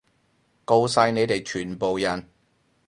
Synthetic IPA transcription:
ko˧wsɐ˧jne˨˧jt̪e˨jt͡ʃʰyː˨˩npo˨wjɐ˨˩n

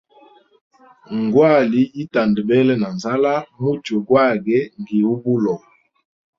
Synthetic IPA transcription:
ŋɡwa˦˨li˦i˦ta˨ndə˨bɛ˦lɛ˦na˨nza˦la˦mu˦to˨ɡwa˦˨ɡɛ˦ŋɡi˨u˦bu˦lɔ˨

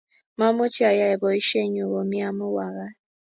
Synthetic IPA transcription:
ma˦mʊ˦t͡ʃi˦a˨ja˦ɪ˨bɔ˨i˦ʃe˦˨˦ɲ˦o˨wo˨mi˦a˦mʊ˦wa˨ɣa˦

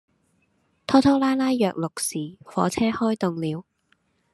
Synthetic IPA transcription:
t̪ʰɔː˥t̪ʰo˥wlaː˥laː˥jːœː˨k̚lʊ˨k̚siː˨˩fɔ̰ː˨˥t͡sʰɛː˥hɔː˥jt̪ʊ˧ŋliː˨˥w

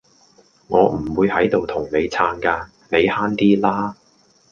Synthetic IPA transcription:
ŋɔː˨˧m̩˨˩wuː˨˧jhɐ˨˥jt̪o˨wt̪ʰʊ˨˩ŋne˨˧jt͡sʰaː˧nkaː˧ | ne˨˧jhaː˥nt̪iː˥laː˥

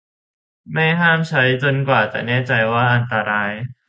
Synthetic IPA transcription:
ma˥˩jɦaː˥˩mt͡ɕʰa˦˥jt͡ɕo˧nkwaː˨˩t̪ɛ̰ː˨˩nɛː˥˩t͡ɕa˧jwaː˥˩ʔa˧nt̪a˧ɾaː˧j

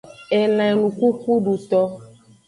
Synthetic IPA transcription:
e˨lã˨ɛ˨nũ˨ku˦ku˦ɖu˨t̪ɔ˦

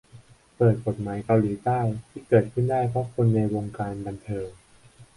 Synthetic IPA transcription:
pɤː˨˩t̪̚ko˨˩t̪̚maː˩˦jka˧wliː˩˦t̪aː˥˩jt̪ʰiː˥˩kɤː˨˩t̪̚kʰɯ˥˩ndaː˥˩jpʰɾɔ˦˥kʰo˧nːa˧jwoː˧ŋkaː˧nba˧nt̪ʰɤː˧ŋ

